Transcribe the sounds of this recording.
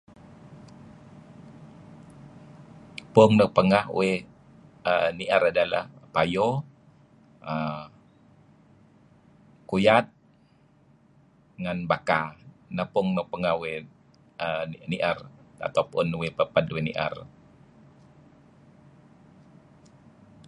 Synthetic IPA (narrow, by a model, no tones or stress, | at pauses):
pʊŋnəpəŋahwe | əniʔaɾadala̰hpajo | ə | kujat̪̚ | ŋanbakanapʊŋnəpəŋahwe | əniʔara̰t̪awpʊnwepəpadwenḭʔa̰r